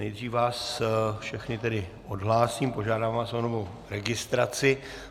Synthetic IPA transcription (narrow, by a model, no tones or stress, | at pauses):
nɛjd̪r̝iːfvaːsfʃɛxnɪt̪ɛdɪ | o̞dɦlaːsiːmpo̞ʒaːdaːvvaːsonovow | ɾɛɡɪst̪ɾat͡sɪ